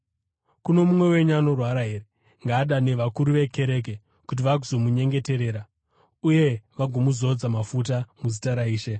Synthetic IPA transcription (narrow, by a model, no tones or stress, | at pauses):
kuno̞mumwe̞we̞ɲano̞rwaɾaɦe̞ːɾe | ŋɡaːɗane̞ʋakuɾuʋe̞ke̞ɾe̞k̬e̞ | kut̬iʋaɡuzomuɲe̞ŋɡe̞te̞ɾe̞ːɾa | uje̞ʋaɡʱomuzo̞d͡zamafut̬amuzitaɾaiːʃe̞